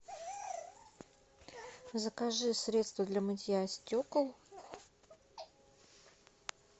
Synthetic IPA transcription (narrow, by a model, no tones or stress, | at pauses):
zəkaʐɨsɾʲe̞t̪st̪vəd̪lʲɐmɨtʲjasʲtʲokəlˠ